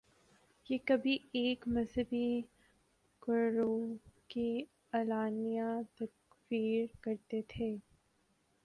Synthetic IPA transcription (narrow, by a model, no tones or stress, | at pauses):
jeːkɐbʱieːkmɐzɦəbi | kəɾoki | ɐlaːnijãt̪ɐk | fiːɾkɐɾt̪et̪ʰeː